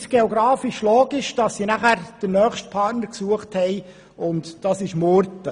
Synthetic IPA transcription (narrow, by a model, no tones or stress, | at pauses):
sɡ̥eoɡɾɑːfiʃloːɡɪʃd̥ɑsːinæχæːɾd̥ənœːχʃt̚pʰɑːɾtnəɾksuəχthɛɪ | ʊntd̥ɑsɪʃmoɾtːə